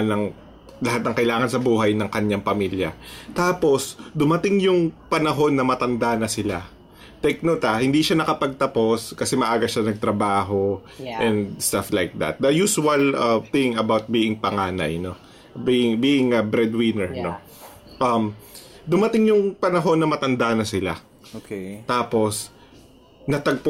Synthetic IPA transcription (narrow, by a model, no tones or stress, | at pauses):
nɐŋ | lɐɦat̪̚nɐŋkɐjlaːŋɐnsɐbuːɦɐjnɐŋkɐɲaŋpɐmiːljɐt̪aːpo̞sd̪ʊmɐt̪ɪŋjʊŋpɐnɐɦo̞nːɐmɐt̪ɐnd̪anɐsɪla | t̪ɛk̚not̪ahɪnd̪iʃanɐkɐpɐɡ̚t̪ɐpo̞skɐsɛmɐʔaːɡɐʃanɐɡ̚t̪ɾɐbaːɦo̞ | ʔɛ̃nd̪st̪aflajk̚d̪ɐ̰t̪̚d̪ɐjuːsʊɐlɐθɪ̃ŋɐbawt̪̚biːɪŋpɐŋaːnɐ̰jno̞ | biɪŋbiːʔɪŋɐbɾɛd̪wɪnɛɹno̞ | ʔɐmd̪ʊmɐt̪ɪŋjʊŋpɐnɐɦo̞nːɐmɐt̪ɐnd̪anɐsɪla̰ | kt̪aːpo̞s | nɐt̪ɐɡ̚p